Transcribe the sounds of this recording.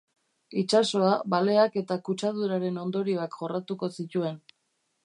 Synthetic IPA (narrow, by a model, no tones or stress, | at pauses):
it͡ʃaso̞aβale̞ake̞t̪akut͡ʃaðuɾaɾe̞no̞nd̪o̞ɾiakʝo̞rat̪uko̞sit̪ue̞n